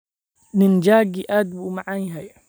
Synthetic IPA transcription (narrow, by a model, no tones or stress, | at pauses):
nɪnd͡ʒaːɡiʔaːd̪buːmaʕaːnjɦɛj